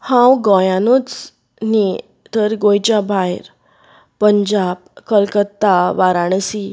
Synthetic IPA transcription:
hãwɡɔjanot͡s | ni | t̪əɾɡojt͡ɕabʱajɾ | pəɲd͡ʑabkəlkət̪ːaʋaɾaɳ̃si

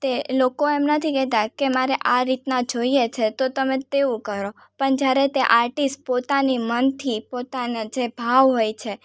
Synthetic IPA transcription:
t̪elokoɛmnət̪ʰikɛt̪akemaɾeʔaɾit̪nad͡ʒoiet͡ʃʰet̪ot̪əmẽt̪eũkəɾo | pəɳd͡ʒjaɾet̪eʔaɾʈisʈ̚pot̪animənt̪ʰipot̪anad͡ʒebʱaʋɦojt͡ʃʰe

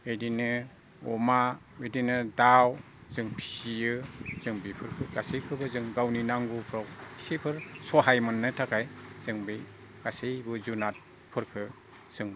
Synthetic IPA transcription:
edinɯ | ɔ̰ma | edinɯdaw | zɯŋpʰi̥sijɯz̥ɯŋbipʰɯɾkʰɯɡasejkʰɯbɯzɯŋɡawninaŋɡupʰɾawʰsipʰɯɾsɔɦajmɯnːɯtʰakʰajz̥ɯŋbi | ɡ̥asejbɯzunat̚ | pʰɯɾkʰɯ | z̥ɯŋ

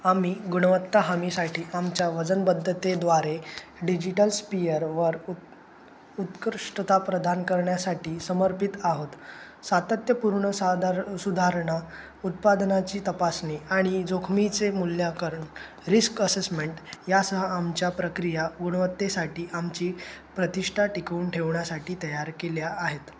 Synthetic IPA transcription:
amiːɡuɳʋət̪ːaɦamisaʈʰiːamt͡ɕjaʋəd͡zənbəd̪ʱːət̪ed̪ʋaɾeɖid͡ʑiʈəlspijəɾʋəɾ | ut̪kɾʂʈət̪apɾəd̪ʱankəɾɳjasaʈiːsəməɾpit̪aɦot̪ | sat̪ət̪jəpuɾɳəsad̪ɾsud̪ʱaɾɳa | ut̪̚pad̪nat͡ɕiːt̪əpasniaɽ̃id͡zokʰmit͡semuljakəɾəɳ | ɾiskəsesmeɳʈjasəɦəamt͡ɕjapɾəkɾijaɡuɽ̃ʋət̪ːesaʈiːʔamt͡ɕiːpɾət̪iʂʈʰaʈikuːɳʈʰeʋɳjasaʈiːt̪əjaɾkeljaʔːɦet̪

